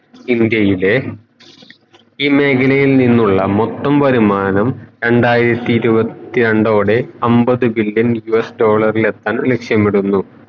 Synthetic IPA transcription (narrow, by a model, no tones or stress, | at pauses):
ind̪jɐjile̞ | iːme̞ːkʰɐlɐjilninːuɭːɐmot̪ːɐmʋɐɾimaːnɐmɾe̞ɳɖaːjiɾɐt̪ʲːiːɾubɐt̪ːiɾe̞ɳɖo̞ːɽe̞ɐmbɐðɨbiljɐnjuesɖo̞ːɭɐrile̞t̪ːaːnlekʂjɐmiɽunːu